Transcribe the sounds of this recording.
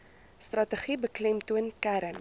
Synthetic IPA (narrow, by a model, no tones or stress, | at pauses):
strɐtəχibəklɛmtuənkæɾən